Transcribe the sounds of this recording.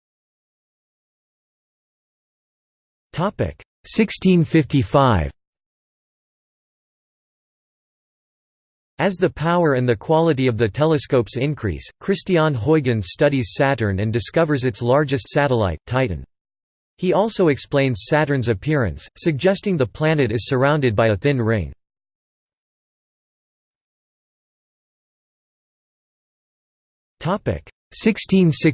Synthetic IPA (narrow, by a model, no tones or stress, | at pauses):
tʰɑpɪ̰k | sɪkstʰĩnfɪftifaɪv̥ | ɨzðɨpʰaʊə˞ɨ̃nðɨkʰw̥ɑlˠəɾiʌvðɨtʰɛlˠəskoʊpsɪ̃nkʰɹ̥ḭskʰɹ̥ɪstiɑ̃nɦɔɪɡɨ̃nstʌɾiz̥sæɾə̃˞nɨ̃ndɨskʌvə˞zɨtslɑɹd͡ʒɨstsæɾəla̰ɪtʰaɪʔn̩ | hiɔlˠsoʊɨksplẽɪ̃nz̥sæɾə̃˞nzɨpʰɪɹɨ̰̃nsːɨɡ̚d͡ʒɛstɪ̃ŋðəpʰl̥æ̃nɨɾɨz̥sə˞ãʊ̃ndɨd̚baɪɨθɪ̃nɹɪ̃ɪ̃ŋ | tʰɑpɪ̰k | sɪkstʰĩnsɪ